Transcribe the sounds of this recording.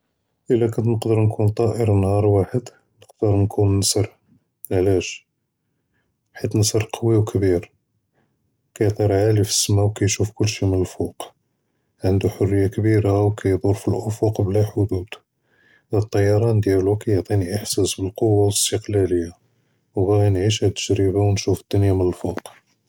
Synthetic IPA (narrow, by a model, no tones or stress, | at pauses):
ʔəlːækɑnt̪nəqd̪əɾnkʰunt̪ˤɑʔəɾnhɑɾˤwaħəd̪ | nəq̚d̪əɾˤnkʰunːəsəɾˤ | ʕlæʃ | ħit̪nəsəɾˤqʰɑwiwkʰəbiɾ | kæjʕt̪ˤɑɾˤʕalifə̥sːmæwkæjʃufkʊlːʃimənəlfʊq | ʕənd̪uħʊrːəjːakbiɾawkæjd̪ˤoɾfilʔʊfʊqblæħʊd̪ud̪̥ | æt̪ˤːɑjːɑɾˤɑnd̪jælukæjoʕt̪ˤiniʔəħsæsbəlqowːawəst̪əqlæləjːa | wbæɣnʕiʃ̬hæt̪ːə̥ʒɾibawnʃufəd̪̥ːʊnjamənəlfuq